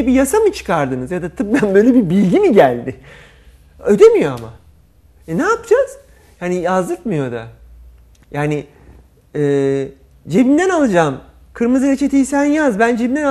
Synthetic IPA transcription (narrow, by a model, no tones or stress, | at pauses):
ebijasamɯt͡ʃʰɯ̥kʰaɾd̪ɯnɯzjad̪at̪ʰɯp̚bænbø̞jlʲebibilʲɟimiɟælʲd̪ɪ | ø̞d̪e̞mijo̞ama̰ | ɛnaːpɯd͡ʒaz̥ | hanijazd̪ɯkmɯjo̞d̪a̰ | jaːnɪ | ɛː | d͡ʒe̞bind̪ænalˠɯd͡ʒaːm | kʰɯɾmɯzɯɾet͡ʃʰe̞t̪ʰijsænjazbænd͡ʒebind̪æna